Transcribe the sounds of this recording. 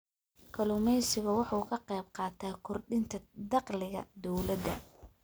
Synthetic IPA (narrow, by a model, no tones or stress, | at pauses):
kʰɐlʊmɛjsɪɣʊwɑħuːkʰɐqɛjb̚qɑːt̪ʰaːkʰʊrɖɪnt̪ʰɐd̪ɑqlɪɣɐ̰d̪ɔwlɐd̪ɐ̰